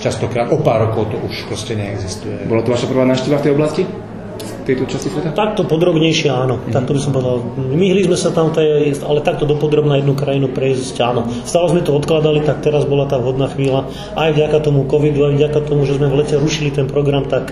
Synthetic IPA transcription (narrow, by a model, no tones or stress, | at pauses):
t͡ʃast̪ɔkɾaːt̪ʔɔpaːɾːɔkɔʊt̪ɔʔuʃpɾɔscɛɲɛɛɡzist̪ujɛbɔlat̪ɔʋaʃapr̩ʋaːnaːfʃcɛʋaft̪ɛjɔblasci | ft̪ɛjt̪ɔt͡ʃascisʋɛt̪at̪ak̚t̪ɔpɔd̪ɾɔbɲɛjʃɪɛaːnɔt̪ak̚t̪ɔbisɔmpɔʋɛd̪almiɦlizmɛsat̪amt̪ɛalɛt̪ak̚t̪ɔd̪ɔpɔd̪ɾɔbnajɛd̪nukɾajinupɾɛziscaːnɔst̪aːlɛzmɛt̪ɔɔt̪klad̪alit̪ak̚t̪ɛɾazbɔlat̪aːʋɦɔd̪naːxʋiːla | ʔajvɟakat̪ɔmukɔʋid̪uajvɟakat̪ɔmuʒɛzmɛʋlɛcɛɾuʃilit̪ɛnpɾɔɡɾamt̪ak